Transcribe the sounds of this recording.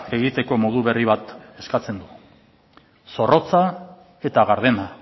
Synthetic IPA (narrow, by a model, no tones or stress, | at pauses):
e̞ɣit̪e̞ko̞mo̞ðuβe̞riβ̞at̪e̞skat͡se̞nd̪u | so̞ro̞t͡sa | e̞t̪aɣaɾð̞e̞na